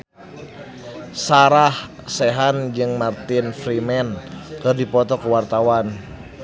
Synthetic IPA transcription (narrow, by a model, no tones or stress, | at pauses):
saɾah | sɛɦand͡ʒɨŋmart̪ɪnfɾimɛnkɨrdipɔt̪ɔkuwart̪awan